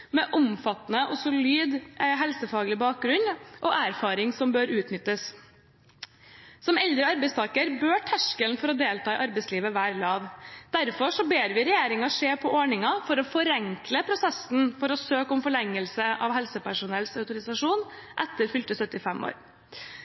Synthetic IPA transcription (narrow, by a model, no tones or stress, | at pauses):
mɛʔʊmfɑt̪ːnəʔɔsʊlyːd̪ɦɛlsəfɑːɡəlɪbɑːk̚ɡɾʉnʔɔʔæɾfɑːɾɪŋsɔmbøːɾʉːt̪nʏt̪ːəs | sɔmɛld̪ɾəɑɾbɛɪst̪ʰɑːkəɾbøːʈʰæʂkəlnfɔɾɔd̪eːlt̪ɑːʔɑɾbɛɪsliːʋəʋæːɾlɑːʋd̪̥æɾfɔʂɔbeːɾʋɪɾɛjeːɾɪŋɑʂeːpʰɔʔoːɳɪŋɑfɔɾɔfɔɾɛŋkləpʰɾʊsɛsn̩fɔɾɔsøːkʊmfɔɭɛŋːəlsəʔɑ̰ʋɦɛlsəpæʂʊnɛlsɑʉt̪ʊɾɪsɑʂuːnʔɛt̪ːəɾfʏlt̪əsœt̪ːɪfɛmːo̰ːɾ